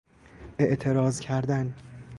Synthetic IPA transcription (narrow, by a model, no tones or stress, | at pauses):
e̞ʔt̪ʰe̞ɾɒːzcʰæɾd̪æn